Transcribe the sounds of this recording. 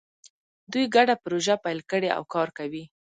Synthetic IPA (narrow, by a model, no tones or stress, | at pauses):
d̪ujɡaɖapʊɾoʒapajlkəɽea̰wkɑɾkawi